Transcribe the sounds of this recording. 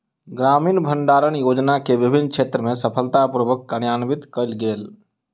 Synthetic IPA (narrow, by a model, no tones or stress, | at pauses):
ɡɾamiːnbʱəɳɖaːɾənjoːd͡ʒnakeʋibʱinːkʰt͡ʃʰet̪ɾəmesəpʰəlt̪apɾəbəkːənjanbit̪kəlɡel